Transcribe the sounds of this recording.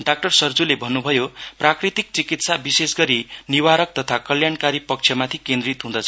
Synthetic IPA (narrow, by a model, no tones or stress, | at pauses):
ɖak̚ʈʌrsʌrd͡zulebʱʌnːubʱʌjoprakrit̪ik̚t͡sikit̪sabisesɡʌɾiniwaɾʌk̚t̪ʌt̪ʰakʌljankaɾipʌk̚t͡sʰjʌmat̪ʰikẽnd̪rit̪ɦũd̪ʌt͡sʰʌ